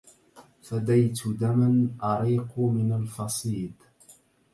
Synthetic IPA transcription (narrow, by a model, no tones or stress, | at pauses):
fad̪ajt̪ʰʊd̪amanʔɑɾiːqmɪnalfɑsˤiːd̪